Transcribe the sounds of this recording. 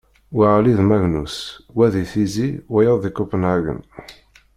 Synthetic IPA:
wiʁliðmæʝnṵswæðiθiziwæjəððikupənaɡə̰n

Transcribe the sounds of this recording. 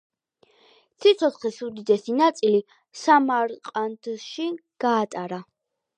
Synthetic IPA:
sʰit̪sʰɔt̪ʰχisud̪id̪ɛsinat̪sʼili | samaɾqʼand̪ʃiɡ̥aːt̪ʼaɾa

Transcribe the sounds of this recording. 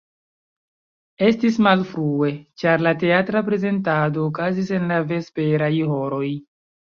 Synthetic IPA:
e̞stismalfɾue̞t͡ʃaɾlate̞atɾapɾe̞ze̞ntado̞ːkazise̞nlave̞spe̞ɾajho̞ɾo̞j

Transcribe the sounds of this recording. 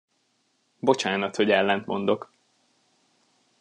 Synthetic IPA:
bo̞t͡ʃaːnɒt̪ho̞ɟɛlːɛnt̪mo̞̰nd̪o̞k

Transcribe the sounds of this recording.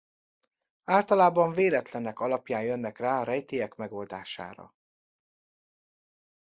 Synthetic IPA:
aːlt̪ɒlaːbɒɱveːlɛt̪lɛnɛkɒlɒpjaːnjønːɛkraːɒɾɛjt̪eːjɛkmɛɡo̞ld̪a̰ːʃa̰ːɾɒ̰

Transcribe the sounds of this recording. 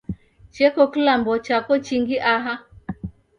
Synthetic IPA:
t͡ʃɛkɔkilambɔt͡ʃakɔt͡ʃiŋɡiʔaɦa

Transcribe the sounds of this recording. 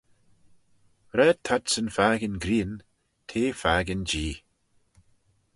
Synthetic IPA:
ɾɛːd̚t̪ʰadsənfaːɡənɡɾiːn | t̪ʰeːfaːɡənd͡ʒiː

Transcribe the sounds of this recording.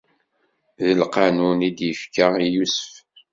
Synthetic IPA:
ðəlqɑnunid̪jəfkaijusə̥f

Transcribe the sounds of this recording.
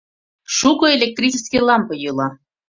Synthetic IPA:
ʃukoelʲek̚t̪rʲit͡ɕeskʲijlˠɑmpɤ̆jɯlˠɑ

